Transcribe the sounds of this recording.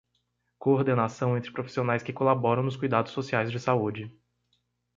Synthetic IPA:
koɾd̪enasɐ̃w̃ẽnt̪ɾɪpɾofi̥sionajskɪkolabɔɾɐ̃w̃nʊskujd̪ad̪ʊsːosiajzd͡ʒɪsaud͡ʒɪ

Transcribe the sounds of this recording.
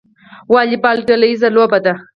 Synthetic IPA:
wɑːlipɑːlʈolaizalobad̪a

